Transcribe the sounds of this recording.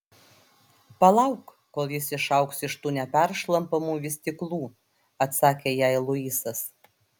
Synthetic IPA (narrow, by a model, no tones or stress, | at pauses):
pɐlˠɐʊk | koːlˠjɪsɪʃɐʊksɪʃt̪uːnʲɛpʲæɾʃlˠɐmpɐmuːʋʲɪsʲt̪ʲɪklˠuː | ɐt̪sɑːkʲejɛɪlˠʊiːsɐs